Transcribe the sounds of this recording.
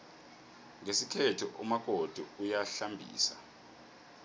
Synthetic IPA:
ŋesikʰetʰuʔṵmak̬ʼod̥ʱuujaɬambʱḭːsa

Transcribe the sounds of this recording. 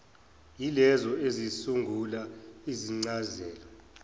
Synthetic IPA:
jilɛzɔezisuŋɡʱulaiziŋ͡ǀazɛːlɔ

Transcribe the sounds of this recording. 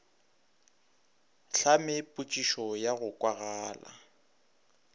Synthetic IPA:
ɬamɪpʼut͡ʃʼiʃɔjaɣʊkʼwaɣaːla̰

